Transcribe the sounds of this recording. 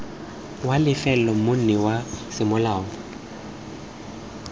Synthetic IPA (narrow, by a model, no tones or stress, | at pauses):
walɪfɛlɔmʊn̩nɛwasɪmʊlaːŋɔ